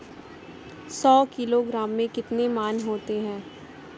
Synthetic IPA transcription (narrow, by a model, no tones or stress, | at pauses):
sɔːkɪloɡɾaːmːẽkɪt̪nemaːnɦoːt̪eɦɛ̃ː